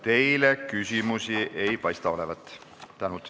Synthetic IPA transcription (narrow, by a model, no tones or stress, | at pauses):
t̪e̞jlekysimusiʔe̞jpɑjst̪ɑo̞levɑt̪ːˑ | t̪ænut̪ˑ